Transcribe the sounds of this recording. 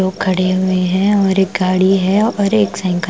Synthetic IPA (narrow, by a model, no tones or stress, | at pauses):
oːɡ̚kʰːɐɽeɦʊeɦɛ̃ɔːɾeːk̚ɡaːɽiɦɛɔːɾeːksɛ̃ɪ̃ŋk